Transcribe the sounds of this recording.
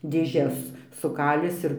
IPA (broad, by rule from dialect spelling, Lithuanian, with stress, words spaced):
dʲeːˈʒʲɛs sʊˈkɑːlʲɪs ɪr